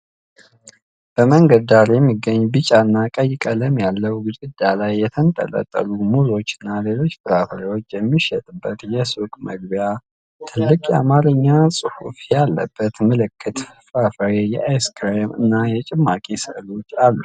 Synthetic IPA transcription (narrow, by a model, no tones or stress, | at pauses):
b̥əməŋɡəd̪aɾjɛmːiɡːəɲːbɨt͡ʃʼaɨnːakʼəjɪkʼələmjalːəwɡɨzʼɨd̪alajːɛt̪ʰənt̪ʼə̰lʼə̰t̪ʼːə̰lumuzo̞t͡ʃːɪnːalelo̞t͡ʃːbɨɾafəɾewo̞t͡ʃːjɛmːiʃɛt̪ʼɨbːət̪jɛsukʼməɡ̚bja | t̪ʰɨlːɨkʼjɛa̰maləɲːasʼɨhṵfjalːə̰b̥ːət̪məlɨkʰːɨt̪fəfafəɾejɛʔajskɾemɨ̰nːajɛt͡ʃʼɪmːakʼisəlo̞t͡ʃːalːu